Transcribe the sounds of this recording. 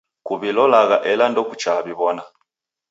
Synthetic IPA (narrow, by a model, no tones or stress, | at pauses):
kuβilɔlaɣaʔɛlandɔku̥t͡ʃaβiβɔna